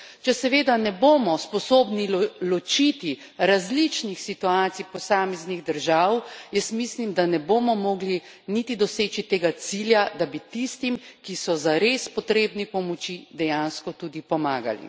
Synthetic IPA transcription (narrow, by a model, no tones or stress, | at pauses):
t͡ʃɛsɛʋeːd̪anɛboːmɔspɔsoːbnilɔt͡ʃit̪i | ɾazlit͡ʃnixsit̪uaːt̪sijpɔsaːmɛzniɣd̪əɾʒaːwjɛst̪mislimd̪anɛboːmɔmɔːɡli | nit̪id̪ɔseːt͡ʃit̪eːɡat̪siːljad̪abit̪ist̪imkisɔzaɾeːspɔt̪ɾeːbnipɔmɔt͡ʃid̪ɛjanskɔt̪ud̪ipɔmaːɡa̰lḭ